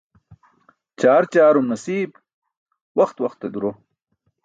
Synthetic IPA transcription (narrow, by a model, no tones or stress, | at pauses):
t͡ɕaːɾt͡ɕaːɾumnɐsiːb | wɐxt̪wɐχt̪ːed̪uɾo